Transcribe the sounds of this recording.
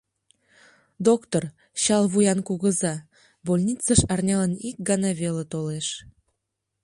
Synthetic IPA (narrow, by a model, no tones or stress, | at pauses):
d̪okt̪or | ɕɑlβujɑnkuɣəzɑ | bolʲnʲit͡səʃɑrnʲɑlənik̚ɡɑnɑβʲelet̪oleʃ